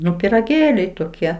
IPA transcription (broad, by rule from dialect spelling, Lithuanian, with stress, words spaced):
ˈnʊ pʲɪrɐˈɡʲeːlʲɛɪ toːˈkʲiɛ